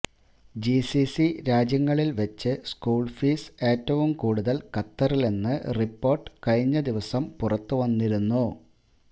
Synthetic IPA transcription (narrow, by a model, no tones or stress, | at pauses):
d͡ʑisisiɾaːd͡ʑjɐŋːɐɭilʋɐt͡ɕːɨskuːɭfiːse̞ːtːɐʋumkuːɽuðɐlkɐt̪ːɐrilenːɨripːo̞ːrʈɨ̥kɐɻiɲːɐd̪iʋɐsɐmpurɐt̪ːuʋɐnːiɾunːu